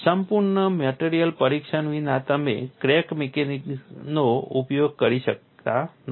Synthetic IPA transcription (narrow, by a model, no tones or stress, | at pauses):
səmpuɾɳəmeʈeɾijəlpəɾikʃənʋinat̪əmḛkɾekmekeniknoupjoɡ̚kəɾiʃək̚t̪an